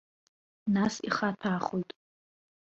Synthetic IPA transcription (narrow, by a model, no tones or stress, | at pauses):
nasiχatʰaːχojtʼ